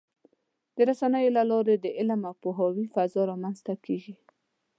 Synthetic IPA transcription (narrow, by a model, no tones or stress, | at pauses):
d̪̥əɾasanəjolalɑɾed̪əʔɪlamapoɦɑwifazɑɾɑmanzt̪akeʒi